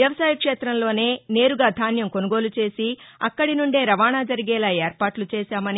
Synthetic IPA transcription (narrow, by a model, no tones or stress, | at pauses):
jɐʋɐsaːjɐkʂeːt̪ɾɐmlo̞ːne̞ːne̞ːɾuɡaːd̪ʱaːnjɐmko̞nuɡo̞ːlut͡ʃe̞ːsiɐkːɐɽinuɳɖe̞ːɾɐʋaːɳaːd͡ʒɐɾiɡɛːlaːeːɾpaːʈlut͡ʃɛːʃaːmɐni